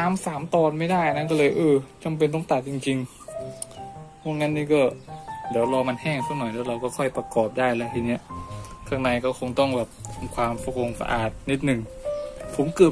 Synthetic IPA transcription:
aː˧˦msaː˨˩˦mt̪ɔː˧˩nma˥˩jda˥˩jʔna˥˨nkɔː˥˩lɤː˧jʔɤː˧t͡ɕa˧mp̬e˧nt̪̬ɔ˥˩ŋt̪a˨˩k̚t͡ɕi˧ŋt͡ɕi˧ŋ | kɔː˧˥˩ŋːaː˦˥˨nːiː˧˥˩kɔː˥˩diː˩˦əwlɔː˧ma˧nhɛː˥˩ŋsʰaː˧˩nɔ˨˩˦jlɛː˦˥˩wɾa˧wkɔː˥˩kʰɔ˥˩jpa˧kɔː˨˩p̚daː˥˩jlɛ˦˥˩t̪ʰiː˧˩ni˦˥˩ɐʔkʰaː˧˥˩ŋna˧jkɔː˥˩kʰo˧ŋt̪ɔ˥˩ŋbɛː˨˩p̚t̪ʰa˧mkʰwaː˧mfu˨˧˩k̚ʔo˧ŋsa̰˧ʔa̰ː˨˩t̪̚ni˦˥t̪̚nɯ˨˩ŋfʰo˨˦mkɤː˨˩

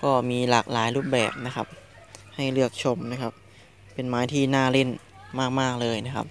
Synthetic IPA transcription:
kɔː˥˩miː˧laː˨˩k̚laː˩˦jluː˥˩p̚bɛ̰ː˨˩p̚na˦˥kʰa̰˦˥p̚ | ha˥˩jlɯ˥˩ək̚t͡ɕʰo˧mna˦˥kʰa˦˥p̚ | pe˧nmaː˦jt̪ʰiː˥˩naː˥˩le˥˩n | maː˥˩k̚maː˥˩k̚lɤː˧jna˦˥kʰa̰˦˥p̚

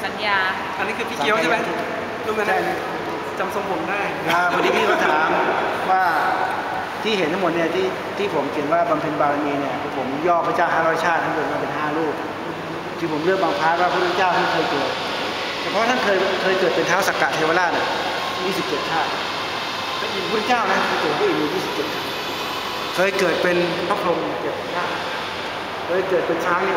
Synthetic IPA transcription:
sa˨˦njaː˧ | ʔa˧nːi˦˥kʰːp̪ʰiː˦˧ki˧˥˦wʰe˥˧ma˥˩˧ | luː˥˩a˧na˧˩˧ | t͡ɕa˧mso˧ŋpʰo˨˩˦mdaː˥˩j | a˧˩o˨˧˦niː˥˩miː˥˩maː˧˩t̪ʰaː˩˦m | waː˥˩ | t̪ʰiː˥˩ɦe˩˦nt̪ʰmo˨˩t̪ni˥˩ɐt̪ʰiː˥˩ | t̪ʰiː˥˩pʰo˩˦mki˨˩ənwaː˥˩ba˧mpʰe˧nbaː˧ɾa˧niː˧ni˧˥˩ɐkpʰo˩˦mjɔː˥˩pʰaː˧˥t͡ɕaː˥˩wɦaː˥˩ɾɔː˥˩jt͡ɕʰaː˥˩t̪ʰːa˥˩kɤː˨˩t̪̚ma˧pe˧nɦaː˥˩luː˥˩k̚ | t̪ʰɯː˧pʰo˩˦mlɯ˥˩k̚baː˧ŋpʰaː˦˥t̪̚waː˥˩pʰu˥˩˨t͡ɕaː˥˩wt̪ʰa˥˩kʰɤː˧jkɤː˨˩t̪̚ | t͡ɕʰːpʰɔ˦˥t̪ʰa˥˩nkʰɤː˧jkʰɤː˧jkɤː˨˩t̪̚pe˧nt̪ʰaː˦˥˩sa˨˩kaː˨˩t̪ʰːeː˧waː˧laː˥˩ni˧˥˩ | miː˧˩si˨˩p̚t͡ɕe˨˩t̪̚kʰaː˥˩ | kʰaː˦˥˩ʔi˨˩pʰu˥˩˧ŋt͡ɕaː˥˩wna˦˥˧kʰɤː˧jkɤː˨˩t̪̚ʰuː˥˩˨miː˧jiː˥˩si˨˩pt͡ɕe˨˩t̪̚kʰa˥˩ | kʰɤː˧jkɤː˨˩t̪̚pe˧npʰaː˥˩kʰɾo˧m˧˨˩t͡ɕe˨˩t̪̚ʰa˧˩t͡ɕʰaː˥˩ | kʰɤː˧jkɤː˨˩t̪̚pe˧nt͡ɕʰaː˦˥˩ŋni˧˩

